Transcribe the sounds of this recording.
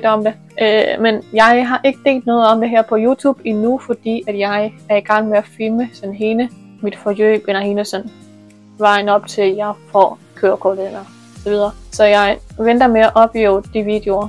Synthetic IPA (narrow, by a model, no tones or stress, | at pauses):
d̥ɒ̽md̥e̝ | ʔømenjɑ̈ɪɦɑ̈ʔe̝ɡ̥əd̥e̝̰ːld̥nɔ̽ːð̩ˠɒ̽md̥e̝ɦɛɐ̰pʰɒ̽juːt͡sʰṵːb̥inufɒ̽d̥ḭːæd̥jɑ̈ɪæɐiɡ̥ɑ̈ŋ̰meæfilməsɒ̽nɦe̝nə | mid̥fɒjø̰ːb̥elɐhenəsɒ̽n | ʋɑ̈ɪ̰nɒ̽b̥̚t͡sʰe̝ljɑ̈ɪfɒ̰ | kʰøːɐkʰolenɐ | sɒʋið̞ˠɐːsɒ̽jɑ̈ɪʋend̥ɐmeæʔɒ̽b̥jḛʊd̥iʋid̥eo̝ɐ